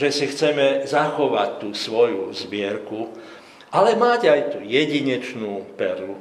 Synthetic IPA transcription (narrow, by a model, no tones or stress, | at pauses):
ʒɛsixt͡sɛmɛzaxɔʋac̚t̪ːuːsʋɔjuzbɪɛɾku | ʔalɛmaɟajt̪uːjɛɟiɲɛt͡ʃnuːpɛɾlu